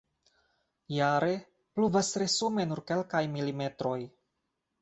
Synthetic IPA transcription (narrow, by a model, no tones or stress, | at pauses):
jaɾe̞ | pluvasɾe̞sume̞nuɾke̞lkajmilime̞tɾo̞j